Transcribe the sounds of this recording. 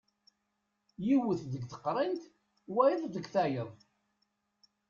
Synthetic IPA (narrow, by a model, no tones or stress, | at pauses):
jiwəθðəɡθə̥qːɾˤint̪ | wæjəðˤðəɡθæjəðˤ